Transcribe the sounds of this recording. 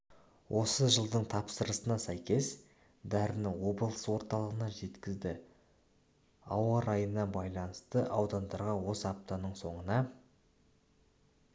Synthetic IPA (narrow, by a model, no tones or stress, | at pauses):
wʔo̞səʒəlˠd̪əɴt̪ʰɑpsəɾəsənɑsæjkʲe̞s | d̪æɾɪnɪwo̞blˠəswo̞ɾt̪ɑlˠəʁənɑʒe̞t̪kʲɪzd̪ɪ | ɑwɑɾɑjənːɑbɑjlˠɑnəst̪əʔɑwd̪ɑnd̪ɑɾʁɑwo̞sɑp̚t̪ɑnəɴso̞ɴənɑ